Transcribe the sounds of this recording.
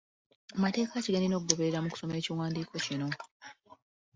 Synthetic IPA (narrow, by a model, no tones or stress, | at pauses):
amate̞ːkaciɡeːndeno̞ːk̬uɡo̞βe̞ɾeɾamuku̥so̞me̞ːciwaːndiːkʰo̞cino̞